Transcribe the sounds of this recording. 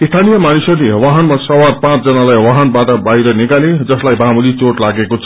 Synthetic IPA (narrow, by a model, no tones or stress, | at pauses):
ist̪ʰanijʌmanisʌlewaɦʌnmasʌwarpãt͡sd͡zʌnalajwaɦʌnbaʈʌbaiɾʌnikaled͡zʌslajbamulit͡soʈlaɡekot͡sʰʌ